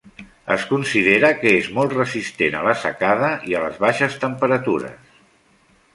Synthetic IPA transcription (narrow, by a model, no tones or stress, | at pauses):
ə̰skunsiðeɾəkəezmɔlˠt̪rəzist̪enə̰ləsə̰kaðəʔiələ̰zβaʃəst̪əmpəɾət̪uɾə̰s